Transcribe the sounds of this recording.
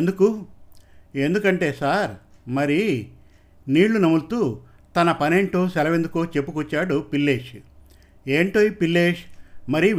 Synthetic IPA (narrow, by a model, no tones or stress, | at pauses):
end̪uku | e̞nd̪ukɐɳʈe̞ːsaːɾmɐɾi | niːɭːunɐmuɽt̪uː | t̪ɐnɐpɐne̞ːɳʈoːsɛlɐʋe̞nd̪ukoːt͡ʃe̞pːukuːt͡ʃːaːɽupilːe̞ːʂ | e̞ːɳʈo̞ːjipilːe̞ːʂmɐɾi